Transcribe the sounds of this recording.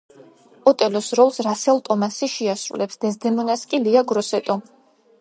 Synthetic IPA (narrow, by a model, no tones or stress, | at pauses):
ɔt̪ʼɛlɔsɾɔlˠsɾasɛlˠt̪ʼɔmasiʃɛasɾṵlɛpsd̪ɛzd̪ɛmɔnaskʼiliaɡɾɔsɛt̪ʼɔ